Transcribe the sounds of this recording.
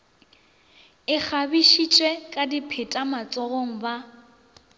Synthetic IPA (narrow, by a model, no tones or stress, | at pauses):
ɪk͡xʰabiʃit͡ʃʼwɛkʼadipʰɪtʼamat͡sʼɔɣoŋ̩ba